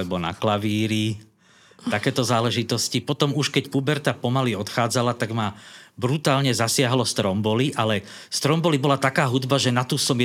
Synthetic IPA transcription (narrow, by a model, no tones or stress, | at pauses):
ɛbɔna̰klaʋiːɾi | t̪akɛːt̪ɔzaːlɛʒit̪ɔscipɔt̪ɔmuʃkɛcpubɛɾt̪apɔmaliɔt̪xaːd͡zalat̪aɡmabɾut̪aːlɲɛzasɪaɦlɔst̪ɾɔmbɔliʔalɛ | st̪ɾɔmbɔlibɔlat̪akaːɦud̪baʒɛnat̪usɔmj